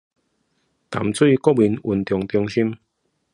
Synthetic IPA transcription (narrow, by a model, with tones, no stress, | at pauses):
t̪a̰˨˦mt͡swi˥˧˨kɔ˦wi˨˧˦nu˨nt̪jɔ˨˩ŋt̪jɔ˧ŋɕi˦m